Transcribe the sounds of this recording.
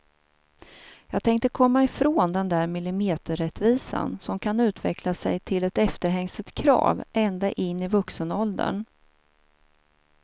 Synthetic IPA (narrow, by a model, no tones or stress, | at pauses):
jɑːɡt̪ʰɛŋk̚t̪əkʰɔmːaɪfɾoːnd̪ɛnd̪æːɾmɪlɪmeːt̪əɾɾɛt̪viːsa̰nsɔmkʰanʉ̟ːt̪ʰvɛ̰kʰlasɛ̰jt̪ʰɪlɛt̪ɛft̪əɾɦɛŋsət̪kʰɾɑ̰ːvɛnd̪aʔɪnːɪvɵksənɔld̪ə̰ɳ